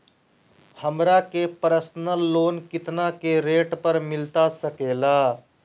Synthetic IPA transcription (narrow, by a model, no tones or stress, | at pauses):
həmɾakepəɾəsnəlːoːnkɪt̪nakeɾeːʈpəɾmɪlt̪asəkeːlaː